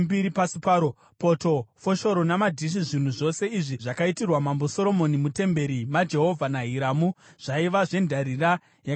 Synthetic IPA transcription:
mbiɾipasipaːɾo | po̞to̞fo̞ʃo̞ɾo̞namadʱiʃ̬iʐin̤uʐo̞se̞iʐiʐakaitirwamambo̞so̞ɾo̞mo̞nimute̞mbe̞ɾimad͡ʒe̞ɦo̞vʱanaɦiɾamuʐ̥aiʋaʐe̞ndʱaɾira | ja

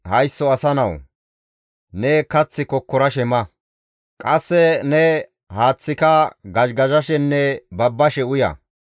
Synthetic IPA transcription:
hɐjsːɔɐsɐnɐw | nɛkɐt͡sːɪkɔkːɔɾɐʃɛmɐ | kʼɐsːɛnɛ | haːt͡sːɪkɐɡɐʃɡɐʒɐʃɛnːɛbɐbːɐʃɛʊjɐ̰

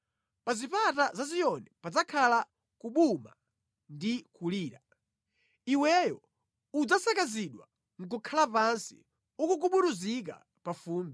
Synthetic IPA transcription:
pazipatazazijɔnɛpad͡zakʰala | kuɓuma̰ | ndikuliːɾa | iwɛjɔ | ud͡zasakaziɗwa̰ | ŋ̩k̬ukʰalapansḭ | ukukuɓuɾuzik̬a̰ | pafuːmbɛ

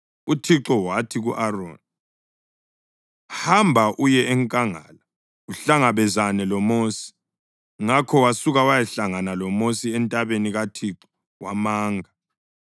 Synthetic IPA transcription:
utʰiǁɔwatʰiɣuʔaro̰ːna | hambʱaʔujɛɛŋkʼaŋa̰ːla | uɬaŋaβɛzanɛlɔmoːsi̥ | ŋakʰɔwasuɣawajɛɬaŋanalɔmosiɛntʼaβeniɣatʰiǁɔ | wa̰maːŋʱa

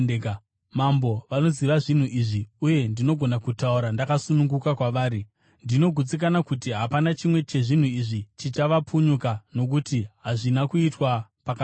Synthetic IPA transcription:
mambo̞ʋano̞ziʋaʐin̤uʔiʐiuje̞ndino̞ɡʱo̞nakutauɾandakasunuŋɡukakwaʋaːɾi | ndino̞ɡʱut͡sik̬anakutiɦapanat͡ʃimwe̞t͡ʃe̞ʐin̤uiʐit͡ʃit͡ʃaʋapuɲukano̞k̬utiɦaʐinakuitwapaka

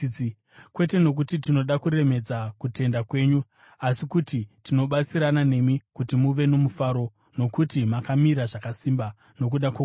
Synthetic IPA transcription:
kwe̞te̞no̞k̬utitino̞ɗakuɾe̞me̞d͡zakute̞ndakwe̞ːɲu | asikutitino̞ɓat͡siɾanane̞mikutimuʋe̞no̞mufaɾo̞ | no̞kutimakamiɾaʐakasimba | no̞k̬uɗakwe

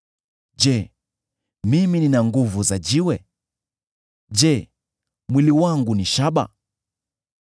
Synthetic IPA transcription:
d͡ʒɛ | mimininaŋɡuvuzad͡ʒiwɛ | d͡ʒɛ | mwiliwaŋɡuniʃaɓa̰

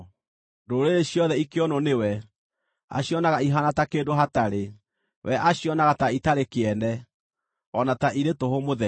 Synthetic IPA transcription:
ndoːɾeɾeɕjɔðɛikeɔnɔnewɛ | a̰ɕjɔnaɣaiɦanatakeːdoɦataɾe | wɛʔaɕiɔnaɣataitaɾekeɛnɛ | ɔnataʔiɾetohomoðɛ

